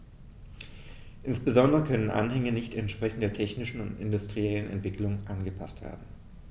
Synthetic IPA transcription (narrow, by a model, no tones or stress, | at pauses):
ʔɪnsb̥əzɔndəʁəkʰœnənʔa̰nhɛŋənɪçtɛntʃpʁ̥ɛçn̩tdeːɐtʰɛçnɪʃn̩ʊ̰ntɪ̰ndʊstʁ̥iɛlənɛ̰ntv̥ɪkʰlʊŋʔanɡəpʰa̰stv̥ḛːɐdn̩